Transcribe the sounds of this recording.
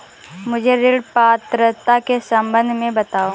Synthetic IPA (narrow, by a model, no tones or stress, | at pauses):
mʊd͡ʒʱeɾɪɽpaːt̪ɾət̪akesɐ̃mbənd̪ʱmẽbɐt̪aːo